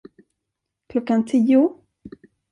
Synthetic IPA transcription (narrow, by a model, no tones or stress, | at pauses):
kʰlɔkːant̪ʰiːʊ